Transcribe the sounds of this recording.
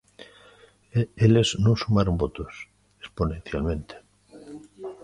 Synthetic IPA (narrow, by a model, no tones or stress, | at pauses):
eleznõsumaɾombot̪os | esponẽn̟θja̰lmẽnt̪e̥